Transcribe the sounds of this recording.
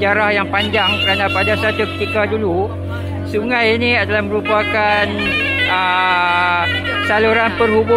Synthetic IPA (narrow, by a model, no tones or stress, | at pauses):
d͡ʒaɾahjaŋpaɲd͡ʒaŋkəɾanãpadasat̪ukə̥t̪ikadulu | suŋãjinĩadalahmə̃ɾupakanə | saluɾanpərhubʊ